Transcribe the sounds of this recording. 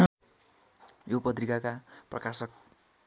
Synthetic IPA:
jopʌt̪̬rikakaprʌ̰kasʌk̚

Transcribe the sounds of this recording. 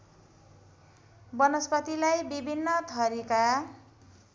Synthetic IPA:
bʌnʌspʌt̪ilajbibʱinːʌt̪ʰʌɾika

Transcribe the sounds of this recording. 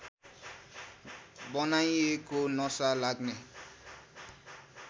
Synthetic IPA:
bʌnajekonʌsalaɡne

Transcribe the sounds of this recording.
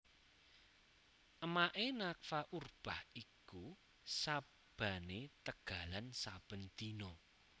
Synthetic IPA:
ʔəmaʔenak̚faʔurb̥ahiku | sa | b̥a̤net̪əɡ̥a̤lansab̥ə̤nd̪̥inɔ

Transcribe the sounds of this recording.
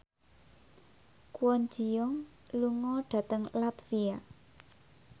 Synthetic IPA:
kuwɔnd͡ʒijɔŋ | luŋɔɖ̥a̤t̪əŋlat̪fia

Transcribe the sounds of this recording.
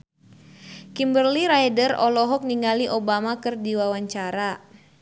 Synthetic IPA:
kimbərliɾajdərɔlɔɦɔk̚niŋɡaliʔobamakɨrdiwawaɲt͡ʃaɾa

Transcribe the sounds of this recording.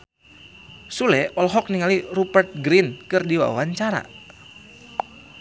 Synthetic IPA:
sulɛʔɔlɦɔk̚niŋalirupɛrt̪̚ɡɾinkɨrdiwa̰waɲt͡ʃaɾa̰

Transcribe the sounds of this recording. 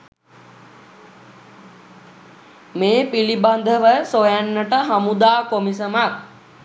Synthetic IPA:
meːpiliband̪ʱəʋəsojænːəʈəɦamud̪aːkomisəmak̚

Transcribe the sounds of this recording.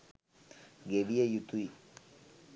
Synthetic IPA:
ɡeɽijɐjut̪ːui

